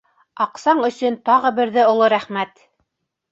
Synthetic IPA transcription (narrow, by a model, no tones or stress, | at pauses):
ɑqsɑɴɵ̆sɵ̆nt̪ɑʁɤbɘ̆ɾðɘŏlˠoɾæχmæt̪